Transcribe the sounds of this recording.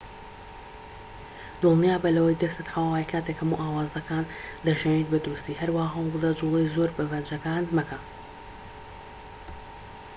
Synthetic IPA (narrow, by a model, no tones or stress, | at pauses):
d̪̥ɨlˠnjaːbɐlɐwɐjd̪ɐst̪ɨt̪hawaaːjkʰaːt̪ekhɐmuʔaːwaːzɐkaːnd̪ɐʒenet̪̚bɐd̪ɾust̪iːhɐɾwahaːɦald̪ɐd͡ʒulˠejzoɾbɐvɐnd͡ʒɐkaːnmɐka